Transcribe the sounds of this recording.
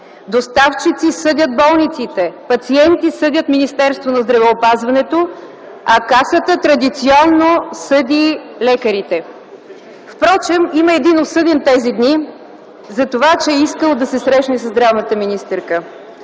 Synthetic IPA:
d̪ost̪aft͡ʃit̪sisɤd̪ʲət̪̚bɔlˠnit̪sit̪ɛpɐt̪siɛnt̪isɤd̪ʲət̪minist̪ɛɾst̪vonɐzd̪ɾɐvɛopazvɐnɛt̪o | ɐkasət̪ət̪ɾɐd̪it̪siɔnːosɤd̪ʲilɛkəɾit̪ɛ | fpɾɔt͡ʃɛmiməɛd̪inot̪sɤd̪ɛnt̪ɛzid̪ni | zɐt̪ovat͡ʃɛɛiskəlˠd̪ɐsɛsɾɛʃnɛsəzd̪ɾavnət̪əminist̪ɛɾkə

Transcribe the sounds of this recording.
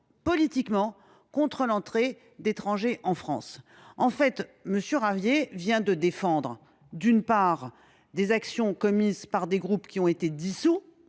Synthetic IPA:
pɔlit̪ikmɑ̃ | kɔ̃t̪χəlɑ̃t̪χe | d̪et̪χɑ̃ʒeʔɑ̃fχɑ̃s | ɑ̃fɛt̪məsjøʁavjevjɛ̃d̪əd̪efɑ̃d̪ʁ | d̪ynpaʁ | d̪ezaksjɔ̃kɔmizpaʁd̪eɡʁupkʲiɔ̃et̪ed̪isu

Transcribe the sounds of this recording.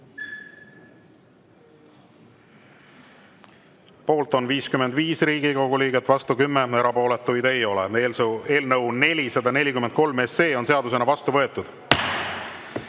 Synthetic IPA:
po̞ːlt̪ˑo̞nviːskyme̞nd̪viːsriːɡ̥iko̞ɡ̥uliːɡet̪ːˑvɑst̪ukymːee̞ɾɑpo̞ːle̞t̪ːujd̪̥e̞jo̞lḛeːle̞ːlnɤwne̞lʲisɑd̪ɑne̞lʲikyment̪̚ko̞lme̞sːeːo̞nse̞ɑd̪use̞nɑvɑst̪uvɤe̞t̪ːˑud̪̥

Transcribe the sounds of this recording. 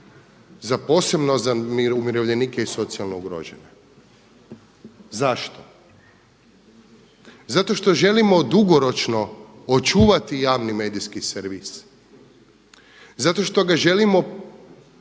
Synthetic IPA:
zapo̞ːse̞bnozamumjiɾoʋʎe̞niːkeiso̞t̪sialnouɡɾo̰d͡ʒḛɲa | zaʃt̪o̞ | zat̪o̞ʃt̪o̞ʒe̞limo̞d̪uɡo̞ɾo̞t͡ʃno̞ot͡ʃuːʋat̪ijaːʋnime̞ːd̪iskiseɾʋis | zat̪o̞ʃt̪o̞ɡaʒelimo̞

